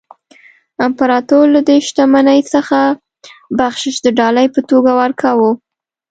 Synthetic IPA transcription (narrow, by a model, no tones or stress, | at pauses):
ampaɾɑt̪oɾlad̪eʃt̪amanəjsəxa | baxʃɪʃd̪əɖɑləjpət̪oɡawaɾkʰawu